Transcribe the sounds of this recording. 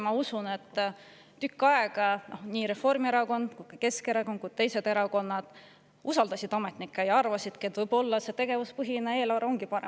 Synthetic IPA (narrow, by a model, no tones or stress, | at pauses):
mɑusunet̪ː | ykːɑeɡ̥ɑno̞hniːɾe̞fo̞rmie̞ɾɑko̞nd̪̥kujkɑke̞skeɾɑko̞nd̪ku̥t̪e̞jse̞d̪e̞ɾɑko̞nːɑd̪̥ | usɑld̪ɑsid̪̥ɑme̞t̪nikːˑɑjɑɑrvɑsid̪̥ked̪vɤjb̥o̞lːɑse̞t̪e̞ɡ̥e̞vuspɤɦinee̞ːlɑɾo̞ŋɡ̥ipɑɾḛm